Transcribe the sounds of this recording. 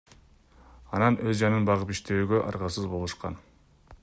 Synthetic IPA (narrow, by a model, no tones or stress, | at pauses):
ɑnɑnʔøzd͡ʒɑnɯnbɑʁɯpiʃt̪e̞yːɡø̞ʔɑ̰ɾʁɑsɯzbo̞lˠuʃqɑ̰n